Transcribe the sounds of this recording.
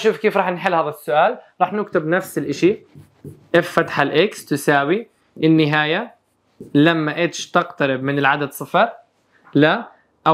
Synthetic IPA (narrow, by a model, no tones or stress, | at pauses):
ʃuːfkeːfɾˤɑːħnħɪlːhaːðasːʊʔaːlɾˤɑːħnʊkt̪ɪbnafsɪlʔɪʃi | ʔɪffat̪ḁħalʔɪkst̪ɪsaːwi | ʔɪnːɪɦaːja | lamːaʔɪt̪ʃt̪ɪqt̪aɾɪb̚mɪnɪlʕad̪ad̪sˤɨfɑɾˤ | la | ʔa